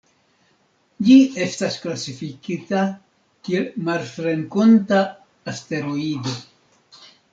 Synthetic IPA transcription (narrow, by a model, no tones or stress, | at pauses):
d͡ʒie̞stasklasifikita | kielmalfɾe̞nkontaː | ste̞ɾoido̞